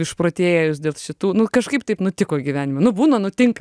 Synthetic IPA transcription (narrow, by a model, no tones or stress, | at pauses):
ɪʃpɾoːt̪ʲeːjɛjʊsd̪ʲeːlˠʃʲɪt̪uːnʊkɐʃkɐɪp̚t̪ɐɪpnʊt̪ʲɪkoːɡʲiʋʲæːnʲɪmonʊbuːnɐnʊt̪ʲɪŋkɐ